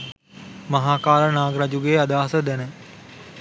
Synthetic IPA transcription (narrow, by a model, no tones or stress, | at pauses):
mɐɦaːkaːɾənaːɡɾad͡ʒuɡeːad̪aːɦsəd̪ɛnə